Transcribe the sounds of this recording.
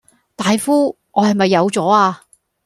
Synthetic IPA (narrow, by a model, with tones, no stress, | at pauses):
t̪aː˨jfuː˥ | ŋɔː˨˧hɐ˨jmɐ˨jːɐ˨˧wt͡sɔː˨˥aː˧